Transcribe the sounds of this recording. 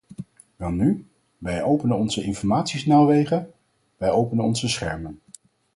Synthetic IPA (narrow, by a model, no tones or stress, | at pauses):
ʋɛlˠny | ʋɛjowpənənɔnzəɪnfɔɹmaːtsisnawʋejχə | ʋɛjowpənənɔnzəsχɛ̰ɹmən